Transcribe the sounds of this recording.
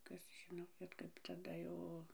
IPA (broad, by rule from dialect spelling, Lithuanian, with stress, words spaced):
ˈkɐs ˈʒʲɪnoː bʲɛt kɐɪp tɐˈdɐ jɛʊ